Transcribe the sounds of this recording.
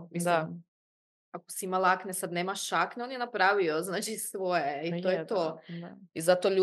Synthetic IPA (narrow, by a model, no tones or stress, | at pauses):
ia | akoseimalˠaknesad̪neːmaʃakneo̞njenapɾaːʋioznaːt͡ʃisʋojeit̪ojet̪oizat̪oʎuː